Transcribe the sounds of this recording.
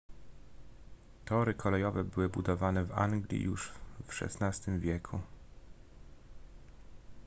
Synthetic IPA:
t̪ɔɾɘkʰɔlɛjɔvɛbɘwɘbud̪ɔvanɛva̰ŋɡlʲḭjuʂfʂɛ̰snast̪ɘmvʲjɛkʰu

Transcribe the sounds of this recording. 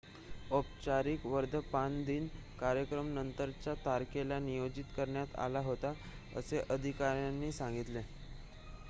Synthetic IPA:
op̚t͡ɕaɾiːkʋəɾd̪ʱəpand̪iːnkaɾjəkɾəmnənt̪əɾt͡ɕjat̪aɾkelanijod͡ʑit̪kəɾɳjat̪a̰laɦot̪a | ə̰seʔəd̪ʱikaɾjanːiːsãŋɡit̪le

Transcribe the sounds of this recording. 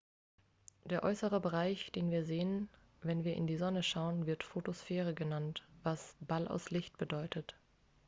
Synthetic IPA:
d̥eːɐʔɔʏsəʁ̞əbəʁaɪçd̥eːnviːɐzeːən | vɛnviːɐʔɪ̰ndiːzɔnəʃaʊənvɪɐtfotosfɛːʁ̞əɡənantv̥asb̥alʔa̰ʊslɪçt̚b̥ədɔʏtʰət

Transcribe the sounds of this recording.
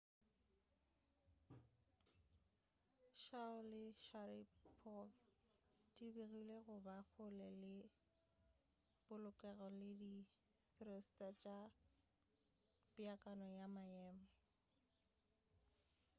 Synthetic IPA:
ʃaʊlɪʃaɾipʰɔf | dibiɣileɣʊbak͡xʰʊlɛlɪ | bʊlʊkʼɛɣɔlɪdi | θʰrɔstʼat͡ʃʼa | pʼiakʼanɔjamajɛːmɛ

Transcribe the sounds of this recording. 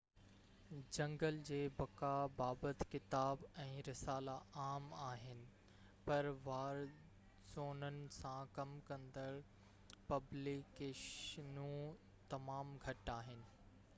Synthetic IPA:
d͡ʑɐ̃ŋɡəld͡ʑeːbɐkabaːbət̪kɪt̪aːbɛ̃ːɾɪsaːlaaːmaːɦɪnɪ̆ | pɐɾʋaːɾ | zoːnənɪ̆sãkɐmkɐ̃nd̪əɭ | pɐblikeːʃnũ | t̪ɐmaːmɡʱɐʈaːɦɪnɪ̆

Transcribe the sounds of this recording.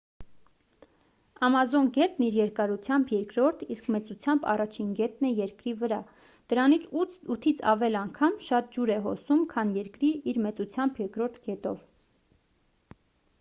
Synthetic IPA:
ɑmɑzɔnɡɛt̪̚niɾjɛɾkɑɾut͡sʰjɑmbjɛɾkɾɔɾt̪ʰiskmɛt͡sut͡sʰjɑmbɑ̰rɑt͡ʃʰinɡɛt̪nɛjɛɾkɾivəɾɑ | d̪̥əɾɑnit͡sʰuut̪ʰit͡sʰɑ̰vɛlɑŋkʰɑmʃɑt̪̚d͡ʒuɾɛɦɔ̰sumkʰɑnjɛɾkɾiiɾmɛt͡sut͡sʰjɑmbjɛɾkɾɔɾt̪ʰɡɛt̪ɔ̰v

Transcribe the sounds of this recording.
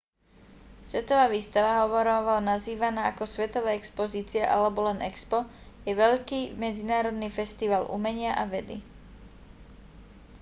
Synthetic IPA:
sʋɛt̪ɔʋaːʋiːst̪aʋaɦɔʋɔɾɔʋanaziːʋanaːakɔsʋɛt̪ɔʋɛːɛkspɔziːt͡siaʔalɛbɔlɛnʔɛkspɔ | jɛʋɛʎkiːmɛd͡zinaːɾɔd̪nifɛst̪iʋaːlʔṵmɛɲɪaʔaʋɛd̪i

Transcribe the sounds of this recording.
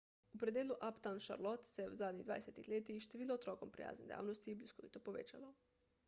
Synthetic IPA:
upɾed̪jeluʔapt̪anʃa̰ɾlˠot̪seeuzaːd̪ɲid̪a̰ːd̪eset̪ixlʲeːt̪iʃt̪iʋiloot̪ɾoːkompɾḭja̰ːzned̪ja̰ːʋnost̪ibliskoʋḭt̪opoʋḛt͡ʃalo

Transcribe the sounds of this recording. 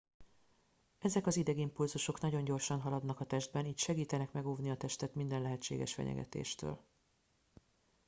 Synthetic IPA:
ɛzɛkɒzid̪ɛɡimpulzuʃo̞knɒɟo̞ɲɟo̞rʃɒnɦɒlɒd̪nɒkɒt̪ɛʒd̪̚bɛniːc̪ʃɛɡiːt̪ɛnɛkmɛɡoːvniɒt̪ɛʃt̪ɛt̪mind̪ɛnlɛɦɛt͡ʃːḛːɡɛ̰ʃfɛ̰ɲɛ̰ɡɛ̰t̪ḛːʃt̪ø̰ːl

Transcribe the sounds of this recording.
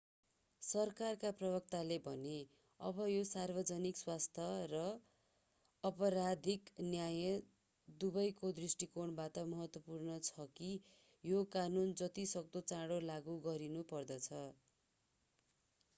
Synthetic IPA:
sʌrkarkaprʌbʌk̚t̪alebʱʌne | ʌ̰bʌjosarbʌd͡zʌnikswast̪ʰjʌrʌ | pʌɾad̪ʱiknjajʌ | d̪ubʌjkod̪risʈikoɳbat̪ʌmʌɦʌt̪wʌpurnʌt͡sʰʌki | jokanund͡zʌt̪isʌk̚t̪ot͡sãɽolaɡuɡʌɾinupʌrd̪ʌt͡sʰʌ

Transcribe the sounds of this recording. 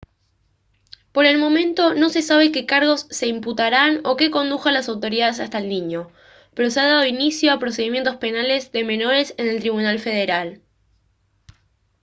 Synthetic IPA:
po̞ɾe̞lmõ̞mẽ̞nt̪o̞no̞se̞saβ̞e̞ke̞kaɾɣo̞sːe̞imput̪aɾano̞ke̞ko̞nd̪uxanlasawt̪o̞ɾiðaðes̬ast̪aelniɲo̞ | pe̞ɾo̞seaðað̞oinisjo̞apɾos̬eðimje̞nt̪o̞spe̞nale̞zðe̞me̞no̞ɾe̞sene̞lt̪ɾiβunalfe̞ð̞e̞ɾal

